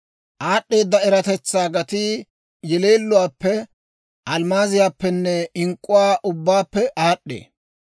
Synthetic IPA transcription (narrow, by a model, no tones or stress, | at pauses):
ʔaːɗːeːd̪ːɐɛɾɐt̪ɛt͡sːaːɡɐt̪i | jɛle̞ːlːʊwaːpːɛ | ʔɐlmaːzɪjaːpːɛnːɛɪŋkʼːʊwaːʔʊbːaːpːɛʔaːɗːḛː